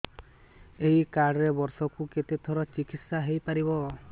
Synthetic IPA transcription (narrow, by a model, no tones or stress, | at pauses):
ejkaɽɔɾebɔɾsɔkuket̪et̪ʰɔɾɔt͡ʃikit̪saɦejpaɾibɔ